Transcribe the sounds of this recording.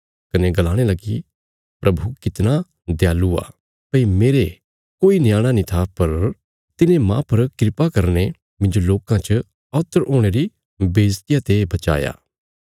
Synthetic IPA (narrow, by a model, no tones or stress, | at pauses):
kɐneɡɐlaːɽ̃elɐɡi | pɾʔɐbʱukɪt̪na | d̪jaːlua̰ | pɐimeːɾe | koːinɪjaːɽ̃anĩt̪ʰapɐɾ | t̪ɪnẽmã̰ːpɐɾkɾɪpakɐɾne | mɪ̃ɲd͡ʒoloːkãt͡ʃə | ɔːt̪ːəɾoːɽ̃eɾi | beːd͡ʒt̪ɪjat̪ebɐt͡ʃa̰ːja̰ː